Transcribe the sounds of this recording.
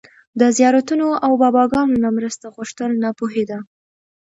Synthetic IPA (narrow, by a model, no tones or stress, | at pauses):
d̪əzjɑɾat̪unoʔawbɑbɑɡɑnonamɾəst̪aɣuʂt̪əlnapoɦed̪a